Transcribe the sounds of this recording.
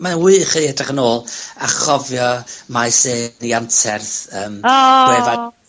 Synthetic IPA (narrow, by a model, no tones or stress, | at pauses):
mawɨːχiɛdrɪχənoːlˠaχɔvjɔmajseːniantʰɛrθəːmwɛva